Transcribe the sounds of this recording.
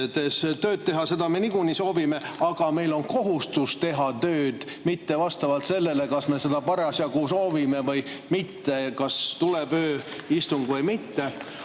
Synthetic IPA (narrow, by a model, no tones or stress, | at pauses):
t̪est̪ø̞ːd̪̚t̪e̞ɦɑse̞d̪ɑme̞niɡuniso̞ːvime̞ɑɡ̥ɑme̞jlo̞nko̞ɦust̪ust̪e̞ɦɑt̪ø̞ːd̪̥ | mit̪ːe̞vɑst̪ɑvɑlt̪se̞lːe̞le̞kɑsme̞se̞d̪̥ɑpɑɾɑsjɑkuːso̞ːvime̞vɤjmit̪ːe̞kɑst̪ulepøːist̪uŋɡ̥vɤjmit̪ːe̞